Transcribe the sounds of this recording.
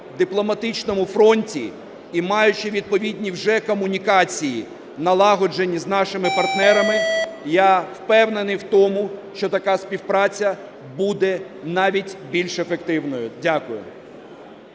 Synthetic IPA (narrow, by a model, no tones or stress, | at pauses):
d̪ɪplˠɔmɐt̪ɪt͡ʃnɔmʊfɾɔnʲtʲi | imɑjʊt͡ʃɪʋʲid̪̚pɔʋʲidʲnʲiwʒɛkɔmʊnʲikɑt͡sʲijḭ | nɐlˠɑɦɔd͡ʒenʲːiznɑʃɪmɪpɐrt̪nɛɾɐmɪjawpɛwnenɪjwt̪ɔmʊʃt͡ʃɔt̪ɐkɑspʲiwpɾɑt͡sʲɐ | bud̪ɛ | nɑʋʲitʲbʲilʲʃefekt̪ɪwnɔjʊdʲakʊjʊ̰